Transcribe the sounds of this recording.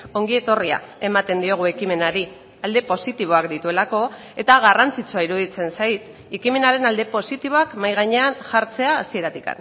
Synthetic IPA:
o̞ŋɡie̞t̪o̞ria̰e̞mat̪e̞nd̪io̞ɣ̞ue̞kime̞naɾi | ald̪e̞po̞sit̪iβ̞o̞akd̪it̪ue̞lako̞ | e̞t̪aɣarant͡sit͡suaiɾuðit͡se̞nsajt̪ | ekime̞naɾe̞nald̪e̞po̞sit̪iβo̞akmajɣ̞aɲe̞anʝaɾt͡se̞aːsie̞ɾat̪ika̰n

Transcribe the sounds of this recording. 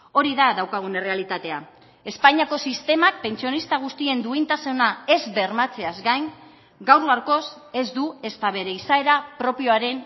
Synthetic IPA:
o̞ɾiðaðawkaɣ̞une̞re̞alit̪at̪e̞a | e̞spaɲiako̞sist̪e̞mak̚pe̞nt͡sio̞nist̪aɣ̞ust̪ie̞nd̪uint̪asenae̞zβe̞rmat͡se̞azɡajn | ɡawraɾko̞s | e̞zd̪ue̞st̪aβ̞e̞ɾe̞isae̞ɾapɾo̞pio̞aɾe̞n

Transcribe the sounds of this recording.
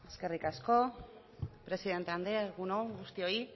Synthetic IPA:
eske̞rikasko̞ | pɾe̞siðe̞nt̪eand̪eɣunoɣust̪io̞i

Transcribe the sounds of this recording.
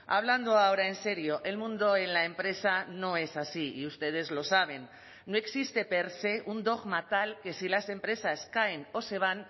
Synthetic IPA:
a̰β̞land̪oaoɾae̞nse̞ɾio̞ʔelmũnd̪o̞enlae̞mpɾe̞sano̞e̞sasiḭust̪e̞ð̞e̞zlo̞saβ̞e̞nː | oe̞ksist̪e̞pe̞ɾse̞und̪o̞ɣmat̪alke̞silase̞mpɾe̞saskaeno̞se̞β̞an

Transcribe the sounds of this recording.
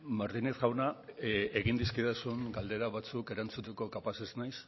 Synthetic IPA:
maɾt̪ineθɣawnaeɣind̪iskit̪asuŋɡald̪e̞ɾaβat͡suke̞ɾant͡sut̪eko̞kapase̞znajs

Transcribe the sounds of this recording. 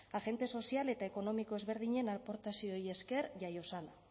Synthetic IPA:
aɣe̞nt̪e̞so̞siale̞t̪ae̞ko̞no̞miko̞ezβe̞ɾðiɲe̞nalpo̞ɾt̪asioje̞ske̞ɾʝajo̞sana

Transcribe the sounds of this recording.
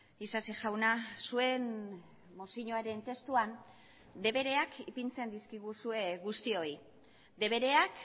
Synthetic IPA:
isasiʝawnasue̞n | mosiɲoeɾe̞nt̪e̞st̪uan | d̪e̞βe̞ɾe̞akipint͡se̞nd̪iskiɣ̞usue̞ɣust̪io̞i | d̪e̞βe̞ɾe̞ak

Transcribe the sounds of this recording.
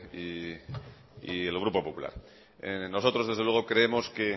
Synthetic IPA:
i | ḭe̞lɣ̞ɾupo̞po̞pula̰ɾ | no̞so̞t̪ɾoðezðelwe̞ɣ̞o̞kɾe̞emo̞ske̞

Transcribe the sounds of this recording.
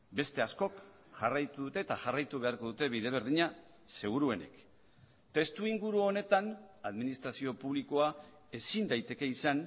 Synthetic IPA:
be̞st̪e̞asko̞k | ʝarajt̪uðut̪e̞ːt̪aʝarajt̪uβ̞e̞aɾko̞ðut̪e̞βiðe̞β̞e̞ɾð̞iɲa | se̞ɣ̞uɾue̞ne̞̰k | t̪e̞st̪uiŋɡuɾuo̞ne̞t̪anaðminist̪ɾasio̞puβliko̞a | e̞sind̪ajt̪e̞ke̞isan

